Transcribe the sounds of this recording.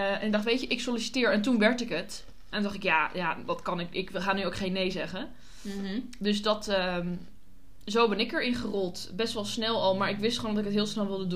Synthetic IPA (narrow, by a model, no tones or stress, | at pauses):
ʔɛnɪɡdɑχtʋejtəʔɪksolisi̥tɪːɹɛntunʋɛɹtɪkət | ʔɛnndɑχtɪkjaːjaːʋɑtkɑnɪkɪkʋəχaːnyowkχejnːejzɛχə | dɵs̬dɑtə | zowbɛnɪkəɹɪnχərɔlˠtbɛstʋɑlˠsnɛlˠɑlˠmaːɹɪkʋɪstχəoːndɔtɪkətɦɪːlˠsnɛlˠʋɪlˠdədu